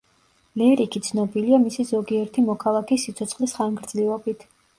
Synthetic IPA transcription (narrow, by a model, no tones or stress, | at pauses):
lɛɾikʰit̪sʰnɔbiliamisizɔɡiɛɾt̪ʰimɔkʰalˠakʰisːit̪sʰɔt̪sʰχlisχaŋɡɾd̪zliɔbit̪ʰ